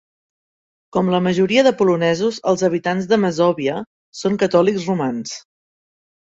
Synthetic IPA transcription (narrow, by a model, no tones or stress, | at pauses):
kɔmləməʒuɾiəðəpulunɛzuzəlˠzəβ̞it̪anzðəməzɔβiə | soŋkət̪ɔlikzrumans